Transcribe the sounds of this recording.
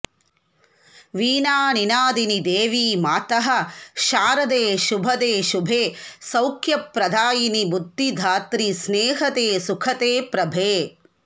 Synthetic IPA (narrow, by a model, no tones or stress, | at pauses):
ʋiːnaːninaːd̪inid̪eːʋiːmaːt̪ɐɦɐ̆ʃaːɾɐd̪eːʃubʱɐd̪eːʃubʱeːsɐwkʰjɐpɾɐd̪ʱaːjinibud̪ʱːid̪ʱaːt̪ɾisneːɦɐt̪eːsukʰɐt̪eːpɾɐbʱeː